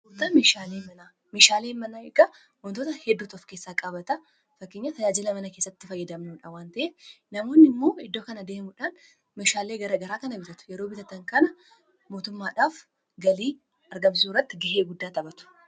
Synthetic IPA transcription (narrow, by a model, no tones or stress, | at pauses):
t̪ɐmeːʃaːleːmɐnaː | meːʃaːleːnmɐnaːɪɡɐ | wɔnt̪ot̪ɐhɛd̪ːuːt̪ɔfke̞ːsːaːkʼɐbɐt̪ɐ | fɐkːeɲːɐt̪ɐd͡ʒaːd͡ʒɪlɐmɐnɐkesːɐt̪ːɪfɐjːɐd̪ɐmnuːᶑɐwaːnt̪ɐʔeːnɐmo̞ːnːɪmːo̞ːɪd̪ːoːkɐnɐd̪eːmʊᶑaːn | meʃaːle̞ːɡɐɾɐɡɐɾaːkɐnɐbɪt̪ɐt̪ʊ̥jɛɾo̞ːbɪt̪ɐt̪ːɐŋkɐnɐ | mo̞ːt̪ʊmːaːᶑaːf | ɡɐliː | ɐɾɡɐmsɪsuːrːɐt̪ːɪɡɪɦeːɡʊd̪ːaːt̪ɐbɐt̪ʊ̥